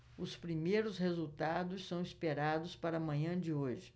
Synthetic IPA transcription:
ʊspɾimejɾʊshezuwt̪ad̪ʊssɐ̃w̃ispeɾad̪ʊspaɾɐmɐ̃ɲɐ̃d͡ʒɪoʒɪ

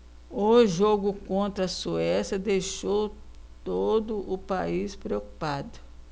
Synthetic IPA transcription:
ʊʒoɡʊkõnt̪ɾɐsuɛsjɐd̪ejʃowt̪od̪ʊʔʊpaispɾeoku̥pad̪ʊ

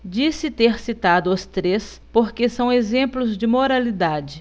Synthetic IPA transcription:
d͡ʒisɪt̪eɾsit̪ad̪ʊʊst̪ɾes | poɾkesɐ̃w̃ezẽmplʊzd͡ʒɪmoɾalid̪ad͡ʒɪ

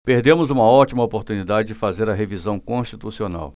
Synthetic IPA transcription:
peɾd̪ẽmʊzũmɐɔt͡ʃimɐopoɾt̪unid̪ad͡ʒɪd͡ʒɪfazeɾɐɦevizɐ̃w̃kõʃt͡ʃit̪usiona̰w

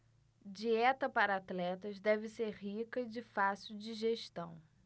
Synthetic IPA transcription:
d͡ʒiɛt̪ɐpaɾɐat̪lɛt̪ɐzd̪ɛvɪseɾɦikɐɪd͡ʒɪfasuwd͡ʒiʒeʃt̪ɐ̃w̃

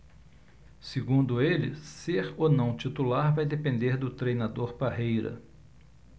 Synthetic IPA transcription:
sɪɡũnd̪ʊelɪ̰seɾonɐ̃w̃t͡ʃit̪ulaɾvajd̪epẽnd̪eɾd̪ʊt̪ɾejnad̪oɾpaɦejɾɐ̰

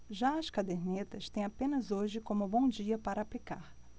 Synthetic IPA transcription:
ʒaɐskad̪eɾnet̪ɐst̪ẽj̃apẽnɐzoʒɪkõmʊbõw̃d͡ʒiɐpaɾɐːplikaɾ

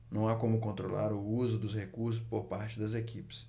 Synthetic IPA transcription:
nɐ̃w̃akõmʊkõnt̪ɾola̰ɾʊuzʊd̪ʊshekuɾsʊspoɾpaɾt͡ʃɪd̪ɐzekipɪ̥s

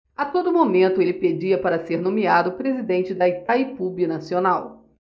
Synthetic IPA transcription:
ɐt̪od̪ʊmomẽnt̪ʊelɪped͡ʒiɐpaɾɐseɾnõmiad̪ʊpɾezid̪ẽnt͡ʃɪd̪ɐit̪aipubinasionaw

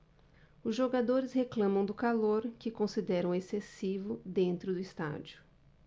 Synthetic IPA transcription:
ʊzʒoɡad̪oɾɪsheklɐ̃mɐ̃w̃d̪ʊkaloɾkɪkõsid̪ɛɾɐ̃w̃esesivʊd̪ẽnt̪ɾʊd̪ʊist̪a̰d͡ʒʊ

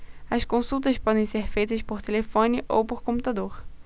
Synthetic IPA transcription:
ɐskõsut̪ɐspɔd̪ẽj̃seɾfejt̪ɐspoɾt̪elefõnɪʔowpoɾkõput̪ad̪oɾ

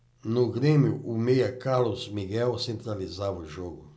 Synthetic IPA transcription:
noɡɾemjuʔumejakalosmiɡɛwsẽnt̪ɾalizavoʒoɡu

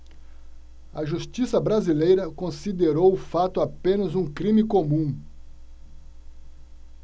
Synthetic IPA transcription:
ɐʒust͡ʃisɐbɾazilejɾɐkõsid̪eɾowʊfat̪ʊapẽnɐzũkɾĩmɪkomũ

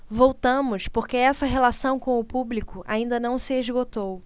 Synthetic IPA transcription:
vowt̪ɐ̃mʊspoɾkeɛsɐɦelasɐ̃w̃kõw̃ʊpublikʊʔa̰ĩnd̪ɐnɐ̃w̃sɪeʒɡot̪ow

